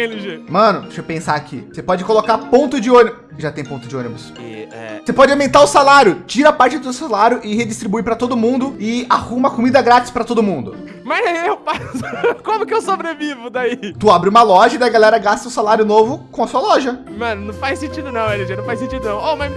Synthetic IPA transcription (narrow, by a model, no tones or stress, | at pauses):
eliʒemɐ̃nʊʃopẽsaakʰḭsepɔd͡ʒɪkolokaɾpõt̪ʊd͡ʒɪõnibʊ | ʒat̪ẽj̃põt̪ʊzd͡ʒɪõnibʊsɛ̰ɛ̰sepɔd͡ʒɪawmẽnt̪aɾʊsalaɾjʊt͡ʃiɾɐapaɾt͡ʃɪd̪ʊt̪̬eʊsalaɾjʊʔɪhed͡ʒist̪ɾibujpɾɐt̪od̪ʊmũnd̪ʊɪahumɐkomĩd̪ɐɡɾat͡ʃɪ̥spɾɐt̪od̪ʊmũnd̪ʊ | mɐzɛewpaskõmʊkɪewsobɾevivʊd̪ait̪uabɾɪũmɐlɔʒɐid̪ɐjɡalɛɾɐɡast̪ɐʊ̃salaɾjʊnovʊkõɐsuɐlɔʒɐmɐ̃nʊnɐ̃w̃fajsẽt͡ʃid̪ʊnɐ̃w̃eliʒenɐ̃fasẽt͡ʃid̪ʊnɐ̃w̃omɐ̃